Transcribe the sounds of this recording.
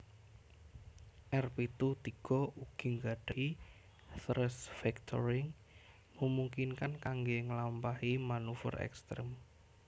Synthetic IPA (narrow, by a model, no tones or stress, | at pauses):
ʔɛrpit̪ut̪iɡ̥ɔuɡ̥i̤ŋɡaɖ̥a̤i | t̪ɾɛsfɛkt̪ʰɔ̰ɾɪŋ | məmuŋkinkankaŋɡeŋəlampahimanufɔ̰rɛ̰kst̪ɾɛm